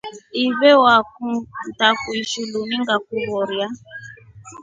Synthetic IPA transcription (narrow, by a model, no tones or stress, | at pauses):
iβewakun̩takuiʃulunĩŋɡakuɾɔɾja